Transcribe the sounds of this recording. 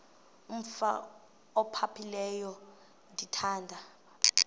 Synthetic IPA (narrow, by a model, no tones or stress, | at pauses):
um̩fa̰ | ɔpʰapʰilɛjɔ | ndʱitʰaːndʱa